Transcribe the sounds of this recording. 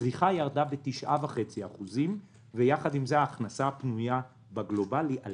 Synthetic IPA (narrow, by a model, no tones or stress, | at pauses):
ʁiχajaʁd̪abetiʃʔavaχe̞t͡siaχuzim | vejaχadimzeaːχnasapnuja | baɡlo̞balia